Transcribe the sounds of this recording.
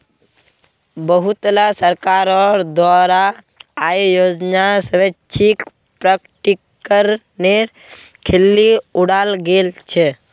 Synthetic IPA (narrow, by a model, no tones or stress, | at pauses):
bəɦut̪lasəɾkaːɾɔɾd̪waːɾaː | ijoːd͡ʒnasəɾət͡ʃʰik | pɾəkʈikː | əɾ | ne | kʰelːiʊɽaːlɡeːlt͡ʃʰe